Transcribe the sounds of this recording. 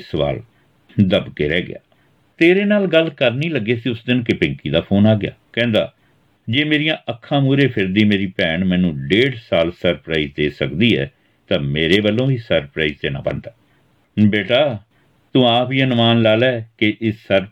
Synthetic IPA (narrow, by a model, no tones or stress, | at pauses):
səʋa̰ːl | d̪əbkeːɾɛːɡɪ̰a̰ː | t̪eːɾeːnaːlɡəlkəɾniːləɡːeːsiːʊsd̪ɪnkɪpɪ̃ŋkiːd̪aːpʰoːnaːɡɪja̰ːkɛ̃ːnd̪a̰ː | d͡ʒeːmeːɾijãːʔəkʰːãːmuːɾeːpʰɪɾd̪iːmeːɾiːpɛ̃ːɳmɛ̃ːnũːɖeːɖsaːlsəɾpɾaːiːzd̪eːsəkd̪iːɛ̰ː | t̪ãːmeːɾeːbəlːõːiːsəɾpɾaːiːzt̪eːnã̰ːbə̰nd̪aː | beːʈaː | t̪ũːaːpiːənmaːnlaːlɛːkɪʔɪsəɾ